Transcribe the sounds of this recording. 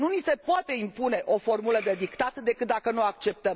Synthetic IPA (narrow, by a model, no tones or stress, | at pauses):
nunise̞poat̪e̞impune̞ʔo̞fo̞rmuləd̪e̞d̪ikt̪at̪d̪e̞kɨt̪̚d̪akənuak̚t͡ʃe̞p̚t̪əm